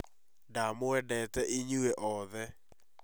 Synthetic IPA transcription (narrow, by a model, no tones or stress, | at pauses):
damoɛdɛtɛʔiɲueʔɔðɛ